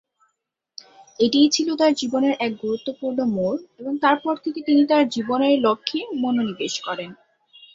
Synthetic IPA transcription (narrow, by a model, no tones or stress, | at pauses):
eʈijt͡ɕʰilot̪aɾd͡ʑiboneɾʔɛk̚ɡuɾut̪ːopuɾnomoleboŋt̪aɾpɔɾt̪ʰeket̪init̪aɾd͡ʑiboneɾlokʰːimononibeʃkɔɾen